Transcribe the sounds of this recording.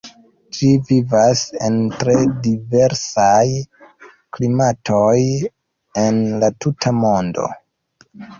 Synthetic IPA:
d͡ʒivivase̞ntɾe̞dive̞ɾsaj | klimatʰoj | enlatutʰamo̞ndo̞̰

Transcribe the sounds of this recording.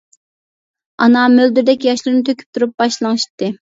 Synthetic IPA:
ɑnɑmøld̪yɾd̪ɛkʲjɑʃlˠɨɾnɨt̪ʰøkʲʰy̥p̚t̪ʰuɾup̚bɑʃlˠɑŋɨʃt̪ːɨ

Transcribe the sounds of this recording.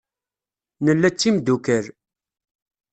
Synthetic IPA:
nəlːæt͡sːimd̪ukəɾ

